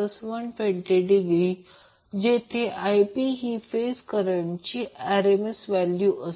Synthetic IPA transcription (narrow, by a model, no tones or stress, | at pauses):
əsʋəɳpeɳʈeɖiɡɾi | d͡ʑet̪ʰeʔajpiɦiːfeskəɾəaɳt͡ɕiːæɾemesʋæljuʔəs